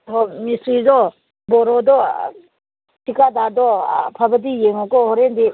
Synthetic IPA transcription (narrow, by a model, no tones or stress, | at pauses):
ɦɔmisɾizɔ | bɔɾɔd̪ɔ | tikadadɔpʰabədijeŋɔkɔhɔɾend̪i